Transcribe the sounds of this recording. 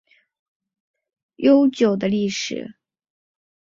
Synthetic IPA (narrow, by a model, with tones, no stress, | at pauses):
jo˥ʊt͡ɕjo˨˩ʊd̪ə˦li˥˩ʂɻ̩˨˩˦